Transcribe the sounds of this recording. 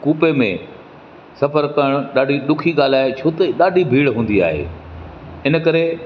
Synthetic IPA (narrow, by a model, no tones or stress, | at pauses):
kuːpemḛ̃ | sɐfəɾkɐɽ̃ɗaːɖʱiɗʊkʰiɠaːl̤aːet͡ɕʰoːt̪əiɗaːɖʱibʱiːɽɦũːn̆d̪ia̰ːɦḛː | ɪnə̆kɐɾe